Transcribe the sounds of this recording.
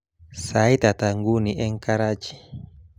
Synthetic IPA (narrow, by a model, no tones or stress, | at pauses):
sait̪at̪aŋɡuniʔɛŋkaɾad͡ʒi̥